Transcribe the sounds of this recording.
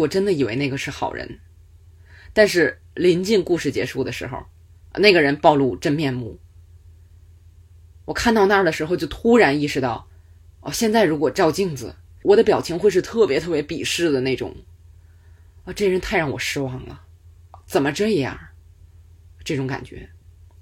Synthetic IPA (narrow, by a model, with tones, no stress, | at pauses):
wɔ˨˩ʈ͡ʂə˥nd̪ə˨i˨˩we˧˥ɪ˥˩ɡə˩ʂɻ̩˥˩xɑ̰˨˩ʊɻə̰˧˥n | t̪a˥˧nʂɻ̩˥˩ | li˧˥nt͡ɕi˥˧ŋku˥˧ʂɻ̩˥˩t͡ɕjɛ̰˧˥ʂu˥˩d̪ə˩ʂɻ̩̰˧˥xo̰˧ʊ | na˥˩ɡə˩ɻə˧˥npɑ˥˧ʊlu˥˩ʈ͡ʂə˥nmjɛ˥˧nmu˥˩ | wɔ˨˩kʰa˥˧nt̪ɑ˥˧ʊna˥˩d̪ə˩ʂɻ̩˧˥xo˧ʊt͡ɕjo˥˧ʊt̪ʰu˥ɻa˧˥ni˥˩ʂɻ̩˥˧t̪ɑ˥˩ʊ | ɔ̰˥˧ɕjɛ˥˧nt͡sa˥˩ɪɻu˧˥kwɔ˨˩ʈ͡ʂɑ˥˧ʊt͡ɕi˥˩ŋd͡zɹ̩˨˩ | wɔ˨˩d̪ə˦pjɑ˨˩ʊt͡ɕʰi˧˥ŋxwe˥˧ɪʂɻ̩˥˧t̪ʰɤ˥˩pjɛ˧˥t̪ʰɤ˥˩pjɛ˥pi˨˩ʂɻ̩˥˩d̪ə˩ne˥˩ɪʈ͡ʂʊ̰˨˩˦ŋ | ə˥˧ʈ͡ʂɤ˥˩ə˩ɻə˧˥nt̪ʰa˥˧ɪɻɑ˥˩wɔ̰˨˩ʂɻ̩˥wɑ˥˩ŋlə̰˩ | t͡sə˨˩nmə˦ʈ͡ʂ̩˥i˧˥jɑ̰˥˩ | ʈ͡ʂɤ˥˩ʈ͡ʂʊ˧˥ŋka̰˨˩nt͡ɕɥɛ̰˧˥